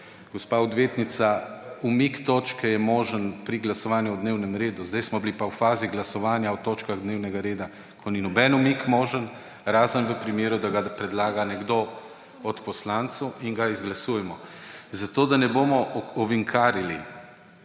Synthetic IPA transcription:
ɡ̥ɔspaːɔd̪ʋjeːt̪nit̪saumikt̪oːt͡ʃkɛjɛmoːʒənpɾiɡlasɔʋaːnjuwd̪neːwnɛmɾeːd̪uzd̪ɛjsmɔblipawfaːziɡlasɔʋaːnjawt̪oːt͡ʃkaɣd̪neːwnɛɡaɾeːd̪a | kʰɔninɔbɛnumikmoːʒən | ɾaːzənʋəpɾimeːɾud̪aɡapɾɛd̪laːɡanɛɡd̪o | ɔt̪pɔslant̪sɔwiŋɡaizɡlasuːjɛmɔzat̪oːd̪anɛbomɔɔʋiŋkʰaːɾili

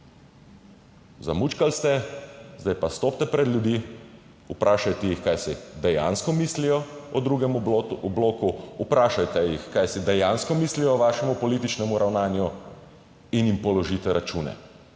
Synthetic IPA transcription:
za̰muːt͡ʃkalst̪ɛzd̪ajpast̪oːp̚t̪ɛpɾɛd̪ljud̪i | upɾʔaːʃajt̪ɛjixkajsid̪ɛja̰nskɔmislijɔɔd̪ɾuːɡɛmɔbloːkuːpɾaːʃajt̪ɛjixkajsid̪ɛjanskɔmiːslijɔːʋaːʃɛmupɔliːt̪it͡ʃnɛmuɾawnaːnju | injimpɔlɔʒiːt̪ɛɾat͡ʃuːnɛ̰

